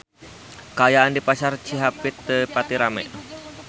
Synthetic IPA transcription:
kəajaʔandipasart͡ʃiɦapɪt̪̚ːəpat̪iɾamɛ̰ʔ

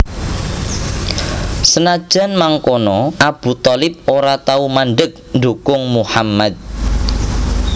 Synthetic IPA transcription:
sənad̥ʒ̥a̤nmaŋkonɔʔab̥ṳt̪ɔlɪp̚oɾat̪aumanɖək̚nd̪ukʊŋmuhamːad̪̚

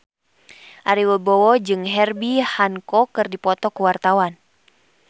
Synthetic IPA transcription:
ʔaɾiwəbɔwɔd͡ʒɨŋɦɛrbihankɔkɨrdipɔt̪ɔkuwart̪awan

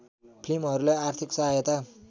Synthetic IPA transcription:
pʰlimɦʌɾuleart̪ʰiksʌɦajʌt̪a

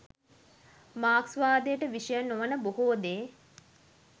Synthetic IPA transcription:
maːksʋaːd̪ejəʈəʋiʃəjənoʋənəboɦoːd̪eː

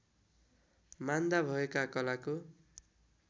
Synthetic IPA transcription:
mand̪abʱʌekakʌlako

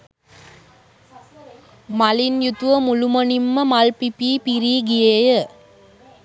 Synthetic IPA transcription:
mɐlinjut̪ʋɐmulumonimːəmɐlpipiːpiɾiːɡijejə

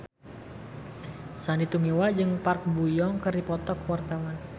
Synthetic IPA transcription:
sanit̪umiwad͡ʒɨŋpark̚bujɔŋkɨrdipɔt̪ɔkwart̪awan

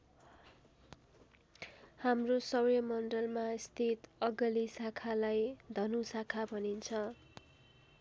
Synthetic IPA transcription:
hamrosʌwjʌmʌnɖʌlmaist̪ʰit̪ʌɡʌlisakʰalajd̪ʱʌnusakʰabʱʌnint͡sʰʌ

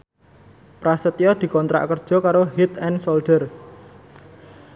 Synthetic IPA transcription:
pɾasət̪iɔd̪̥i̤kɔnt̪ɾa̰ʔkərd̥ʒ̥ɔ̤kaɾoɦit̪ɛnsolɖ̪̥ər

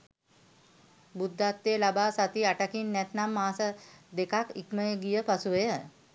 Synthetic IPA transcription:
bud̪ʱːat̪ːeːlabaːsat̪iaʈakinːɛt̪namːaːsəd̪ekakikməjəɡijəpasuʋejə

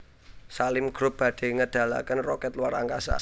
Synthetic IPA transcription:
salɪmɡ̥ɾʊp̚b̥ä̤ɖ̪̥e̤ŋəd̪̥a̤la̰kənrɔkɛt̪lwaɾa̰ŋkasa̰

